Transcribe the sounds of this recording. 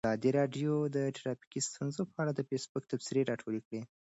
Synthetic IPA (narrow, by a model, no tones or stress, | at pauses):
ɑd̪iɾɑɖjod̪əʈʰɾɑpi̥kist̪unzopəaɽad̪əfesbʊk̚t̪absɪɾeɾɑʈʰoɽekɽe